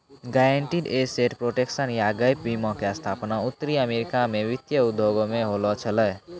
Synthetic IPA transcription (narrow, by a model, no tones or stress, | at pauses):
ɡaːeɳʈiɖeːseːʈpɾoːʈekʃənjaːɡəjp̚bimɔ̃kest̪ʰaːpnaʊt̪ːəɾiəmeːɾɪkamẽʋɪt̪jəʊd̪ʱːoːɡõmẽɦoːlot͡ʃʰələ